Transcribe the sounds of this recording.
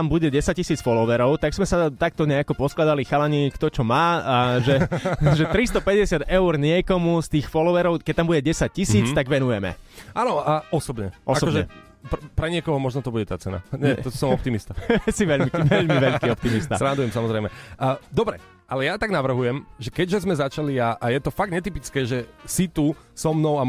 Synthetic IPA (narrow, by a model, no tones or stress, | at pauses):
ambuɟɛɟɛsac̚cːisiːt͡sfɔlɔʋɛɾɔʊt̪aɡz̥mɛsat̪ak̚t̪ɔɲɛakɔpɔsklad̪alixalaɲikt̪ɔt͡ʃɔmaːʒɛʒɛt̪ɾist̪ɔpɛɟɛsɪad̪ɛʊɾɲɪɛkɔmust̪iːxfɔlɔʋɛɾɔʊkɛct̪ambuɟɛɟɛsac̚cisiːt͡st̪aɡʋɛnujɛmɛ̰ʔanɔɔsɔbɲɛ̰ʔɔsasɔkɔʒɛɛ | ppɾɛɲɪɛkɔɦɔmɔʒnɔt̪ɔbuɟɛt̪a̰t͡sɛna̰ɲɛt̪ɔsɔmɔp̚t̪imist̪asiʋɛʎiʋɛʎmiʋɛʎkiːɔp̚t̪imist̪aɾand̪ujɛmsamɔzɾɛɪmɛd̪ɔbɾɛ̰ | ʔalɛjat̪aɡnaʋr̩ɦujɛmʒɛkɛɟʒɛzmɛzat͡ʃaliaʔajɛt̪ɔfaɡd̪ɲɛt̪ipit͡skɛːʒɛsit̪u | sɔmnɔʊa